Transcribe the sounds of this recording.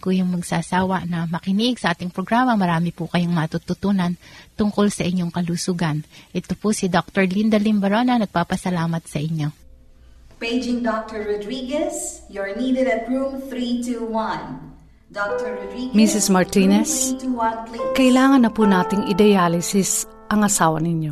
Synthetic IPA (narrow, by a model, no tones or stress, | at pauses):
kujʊŋmɐɡsaːsaːwɐʔnɐmɐkɪniʔɪɡsɐʔaːt̪ɪŋpɾoɡɾamɐmɐɾaːmɪpʊkɐjoŋmɐt̪ut̪ʊt̪uːnɐnt̪ʊŋkolsɐʔɪɲːoŋkɐlusuːɡɐnʔɛt̪opʊsɪd̪ok̚t̪oɹlind̪ɐlimbɐɾonɐnɐɡ̚paːpɐsɐlaːmɐt̪̚sɐʔɪɲːo̞ | peɪd͡ʒɪ̃ŋd̪ɔk̚t̪əɹɹɔd̪ɾiɡɛsjɔɹniːd̪ɛd̪ɐt̪̚ɹũmθɾit̪uwɐ̃n | d̪ɔk̚t̪ɔɹɹɔd̪ɾiɡmisɪsmɐɹt̪inɛsuwɐ̃nkkɐʔɪlaːŋɐnːɐpunaːt̪ɪŋɪd̪ɐjaːlɪsɪs | ʔɐŋɐsaːwɐnɪɲjo̞